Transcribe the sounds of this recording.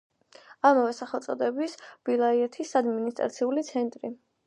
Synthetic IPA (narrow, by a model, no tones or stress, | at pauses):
amavɛsaχɛlt̪sʼɔd̪ɛbisb̥ilˠaiɛt̪ʰisad̪minist̪ʼɾa̰t̪sʰiulit̪sʰɛnt̪ʼɾi